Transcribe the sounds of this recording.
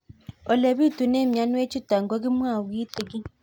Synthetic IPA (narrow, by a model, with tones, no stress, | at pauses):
o˨le˨βi˦tu˨ne˦mja˨˦nu˦e˦t͡ʃi˦ta˨ŋɡo˦ɡi˦mwaː˦˨wi˦te˨ɡi˦